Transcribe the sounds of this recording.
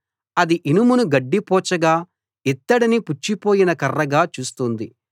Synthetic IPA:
ɐd̪iʔinumunuɡɐɖːipɔːt͡ʃɐɡaː | it̪ːɐɽiniput͡ʃːipo̞ːjinɐkɐrːɐɡaːt͡ʃuːst̪und̪i

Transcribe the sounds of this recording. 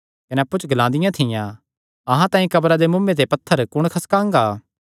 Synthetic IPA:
kɐneɐpːut͡ʃʰɡɐlãːnd̪ɪjãt̪ʰɪjã | ɐɦãt̪ãːĩkɐbɾad̪emʊ̃mːẽt̪̬epɐt̪ʰːəɾkʊɽ̃kʰɐskãːŋɡaː

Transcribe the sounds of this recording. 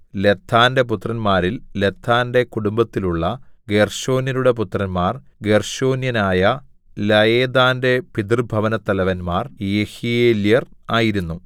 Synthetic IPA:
le̞t̪ʰːaːnde̞put̪ːrɐnmaːɾille̞t̪ʰːaːnde̞kuɽumbɐt̪ːiluɭːɐɡe̞rɕo̞ːnjɐnuɽe̞put̪rɐnmaːr | ɡe̞rɕo̞ːnjɐnaːjɐ | lɐjeːd̪aːnde̞pid̪rbʱɐʋɐnɐt̪ːɐlɐʋɐnmaːrjehijeːljɐraːjiɾunːu

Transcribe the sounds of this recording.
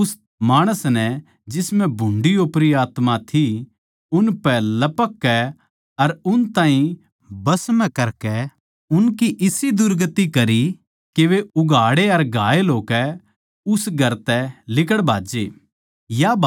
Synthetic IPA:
ʊs | maːɽ̃əsnɛ | d͡ʒɪsmɛ̃bʱʊ̃ɳɖiopɾiaːt̪mat̪ʰi | ʊnpɛlɐpəkːɛ | ɐɾʊnt̪ãːɦĩ | bɐsmɛ̃kɐɾkɛ | ʊnkiʔɪsid̪ʊɾɡət̪ːikɐɾi | keʋeʊɡaːɽeɐɾɡʱaːeloːkɛ | ʊsɡʱɐɾt̪ɛlɪk̬əɽbʱaːd͡ʒeː | jab

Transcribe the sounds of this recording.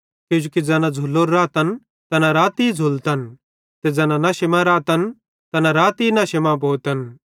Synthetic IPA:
kɪd͡ʒukid͡zɛːnãd͡zʱʊlːoːɾːaːt̪ɐn | t̪ɐnaɾaːt̪id͡zʱʊlt̪ɐn | t̪ed͡zɛːnãnɐʃɪmãɾaːt̪ɐn | t̪ɐnaɾaːt̪inɐʃemãboːt̪ɐn

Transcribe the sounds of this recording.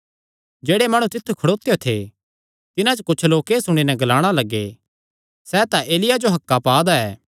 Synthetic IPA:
d͡ʒeːɽemaːɽ̃ũt̪ɪt̪ʰːukʰɐɽoːt̪ejot̪ʰe | t̪ɪnãt͡ʃkʊt͡ʃʰloːkesʊɽ̃inɛɡɐlaːɽ̃alɐɡːḛ | sɛːt̪aʔeːlɪjad͡ʒoɦɐkːapaːd̪aɛː

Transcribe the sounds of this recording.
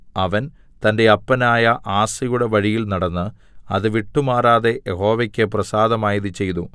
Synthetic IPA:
ɐʋɐn | t̪ɐnde̞ɐpːɐnaːjɐʔaːsɐjuɽe̞ʋɐɻijilnɐɽɐnːɨ | ɐðɨʋiʈːumaːraːðe̞jeɦo̞ːʋekʲːɨprɐsaːd̪ɐmaːjiðɨt͡ɕe̞jt̪u

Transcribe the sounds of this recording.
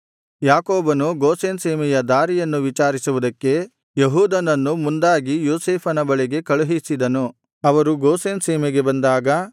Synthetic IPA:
jaːkoːbɐnuɡoːseːnseːmɛjɐd̪aːɾijɐnːuʋit͡ʃaːɾisuʋud̪ɐkːe̞ | jeɦuːd̪ɐnɐnːumund̪aːɡijoːseːpʰɐnɐbɐɭɛɡe̞kɐɭuɦisid̪ɐnu | ɐʋɐɾuɡoːseːnseːmɛɡe̞bɐnd̪aːɡɐ

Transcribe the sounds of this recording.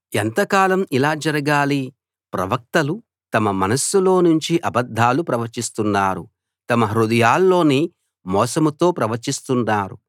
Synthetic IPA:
ent̪ɐkaːlɐmilaːd͡ʒɐɾɐɡaːli | pɾɐ̰ʋɐk̚t̪ɐlu | t̪ɐmɐmɐnɐsːulo̞ːnuɲt͡ʃiʔɐbɐd̪ʱːaːlupɾɐʋɐɾt͡ʃist̪unːaːɾṵ | t̪ɐmɐɦɾud̪ɐjaːlːo̞ːniː | mɔːsɐmut̪o̞ːpɾɐʋɐɾt͡ʃist̪unːaːɾṵ

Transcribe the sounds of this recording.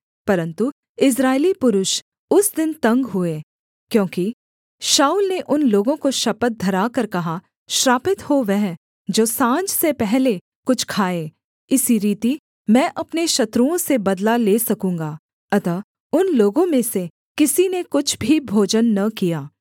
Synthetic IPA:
pɐɾə̃nt̪u | ɪs̬ɾaːɪlipʊɾʊʃ | ʊsd̪ɪnt̪ɐ̃ŋɡɦʊeː | kjõːki | ʃaːuːlneʔʊnloːɡõkoʃɐpət̪̚d̪ʱɐɾaːkɐɾkɐɦa | ʃɾaːpɪt̪hoʋɛɦ | d͡ʒoːsãːd͡ʒsepɛɦle | kʊt͡ʃʰkʰaːeː | ɪsiɾiːt̪i | mɛ̃ːʔɐpneʃɐt̪ɾuõsebɐd̪laleːsɐkũːŋ̆ɡaː | ɐt̪ə | ʊnloːɡõmẽse | kɪsinekʊt͡ʃʰbʱibʱoːd͡ʒənːɐkijaː

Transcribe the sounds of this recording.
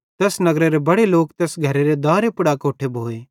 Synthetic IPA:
t̪ɛːsnɐɡɾeɾebɐɽeloːkt̪ɛːsɡʱɐɾeɾed̪aːɾepʊɽakoːʈʰebʱoːeː

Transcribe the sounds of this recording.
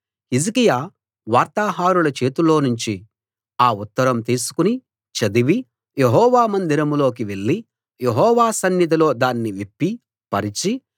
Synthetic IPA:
hizikijaː | ʋaːɾt̪aːɦaːɾulɐt͡ʃe̞ːt̪ulo̞ːnuɲt͡ʃi | aːut̪ːɐɾɐmt̪iːsu̥kuni | t͡ʃɐd̪iʋi | jeɦɔːʋaːmɐnd̪iɾɐmlo̞ːk̬iʋe̞ɭːi | jeɦɔːʋaːsɐnjɐd̪ɐlo̞ːd̪aːnːiʋepːi | pɐɾit͡ʃi

